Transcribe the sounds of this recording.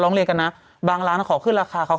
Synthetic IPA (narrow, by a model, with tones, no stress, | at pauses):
ɾɔː˦˥ŋli˧əŋka˧nːa˦˥ | baː˧ŋɾaː˦˥nkʰɔː˩˦kʰɯː˥˩nɾaː˧kʰaː˧kʰa˦˥w